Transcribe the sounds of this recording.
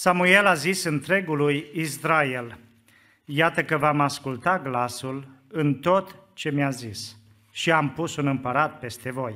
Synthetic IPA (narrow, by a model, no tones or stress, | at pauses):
samue̞lazisɨnt̪ɾe̞ɡulujisɾae̞l | jat̪əkəvamaskult̪aɡlasul | ɨnt̪o̞t̪t͡ʃe̞mjazis | ʃiampusunɨmpəɾat̪̚pe̞st̪e̞vo̞j